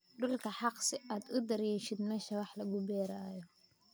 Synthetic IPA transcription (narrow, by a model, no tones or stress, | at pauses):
ɖʊlkʰɐħɑqsɪʔaːd̪ʊd̪ɐɾjɛːʃɪd̪mɛːʃɐwɑħlɐɣʊbɛːɾaːjɔ